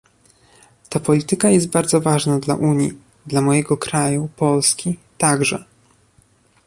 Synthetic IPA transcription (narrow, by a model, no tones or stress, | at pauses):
t̪apɔlʲit̪ɘkajɛst̪̚baɾd̪zɔvaʐnad̪la̰ʔuɲjḭ | d̪lamɔjɛɡɔkɾajupɔlskʲit̪aɡʐɛ̰